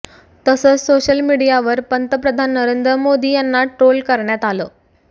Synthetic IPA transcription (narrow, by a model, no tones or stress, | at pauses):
t̪əsəːt͡ssoɕəlmiɽijaʋəɾpənt̪əpɾəd̪ʱanːəɾend̪ɾəmod̪iːjanːaʈɾolkəɾɳjat̪alo